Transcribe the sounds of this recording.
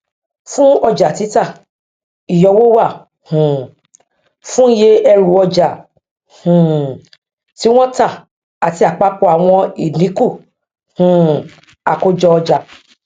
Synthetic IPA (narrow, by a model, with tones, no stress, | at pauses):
fũ˦ɔ˧d͡ʒa˨ti˨˦ta˦˨ | i˨jɔ˧wo˦wa˦˨ | hũ˨ | fũ˦je˧ɛ˧ɾu˨˦ɔ˧d͡ʒa˨ | hũ˨ | ti˨˦w̃ɔ̃˦ta˦˨ | a˨ti˨˧a˨k͡pa˨˦k͡po˧a˨w̃ɔ̃˧i˨nĩ˨˦ku˦˨ | hũ˨ | a˨ko˧d͡ʒɔ˧ɔ˧d͡ʒa˨